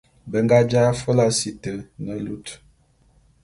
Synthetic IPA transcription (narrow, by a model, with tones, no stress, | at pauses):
bə˨ŋɡa˦d͡ʒa˦fo˦la˦si˨tə˨nə˨lu˦t